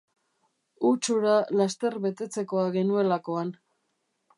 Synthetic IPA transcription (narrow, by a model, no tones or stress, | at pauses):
ut͡ʃuɾalast̪e̞ɾβe̞t̪e̞t͡se̞ko̞aɣe̞nue̞lako̞an